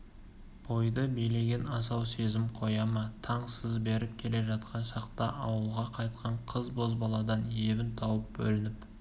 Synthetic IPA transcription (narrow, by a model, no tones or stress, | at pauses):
b̥o̞jd̪əbejle̞ɡʲe̞nɑsɑwse̞zɪmqʰo̞jɑmɑt̪ʰɑɴsəzbe̞ɾɪp̚kʲʰe̞le̞ʒɑt̪qɑnʃɑqt̪ɑʔɑwəlˠʁɑqʰɑjt̪̚qʰɑɴqʰəzbo̞zbɑlˠɑd̪ɑnje̞bɪnt̪ʰɑwəp̚bɵ̰lɪnɪp